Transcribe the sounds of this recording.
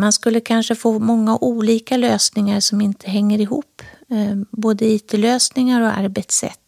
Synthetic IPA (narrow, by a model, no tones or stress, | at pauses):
manskɵlːəkʰanʂəfoːmɔŋːaʔuːliːkaløːsnɪŋaɾʂɔmɪnt̪ʰəɦɛŋːəɾɪɦṵːpː | boːd̪əiːt̪ʰɛløːsnɪŋaɾɔa̰ɾbɛt̪sɛ̰t̪ː